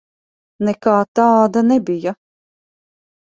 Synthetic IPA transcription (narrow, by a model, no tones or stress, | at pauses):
nɛkaːt̪aːd̪anɛbija